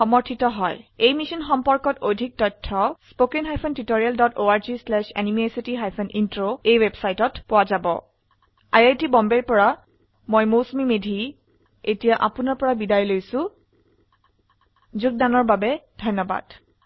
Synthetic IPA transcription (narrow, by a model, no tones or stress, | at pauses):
xɔmɔɹtʰitɔɦɔjejmisɔnxɔmpɔɹkɔtodʱik̚tɔtʰːɔspokenɦajpʰɔntitoɹialdɔtoaɹzislɛʃɛ̰nimesitiɦajpʰɔnintɹoejwebsajtɔtpʊwazabɔ̰ | ajajtibɔmbɛɹpɔɹa | mojmosmimedʱi | etijaʔapʊnaɹpɔɹabidajlojsʊ̃ | zuk̚danɔɹbabɛd̥ʱɔjnɔba̰d̥